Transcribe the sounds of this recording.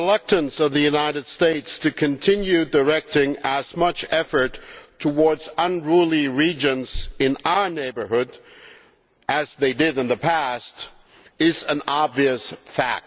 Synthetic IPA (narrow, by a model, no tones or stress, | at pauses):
əlʌk̚tɨ̃nsʌvðɨjʉnaɪɾɨd̥steɪtstʰɨkʰɨ̃ntʰɪ̃njʉdə˞ɛk̚tɪ̃ŋəzmʌt͡ʃɛfə˞tʰəwɔɹdzə̃nɹulˠiɹid͡ʒɨ̃nz̥ɨ̃naʊə˞neɪbə˞ɦʊɾ | ʔɨzðeɪdɪɾɨ̃nðɨpʰæst | ɪzɨ̃nɑbviɨsfæ̰k̚t̚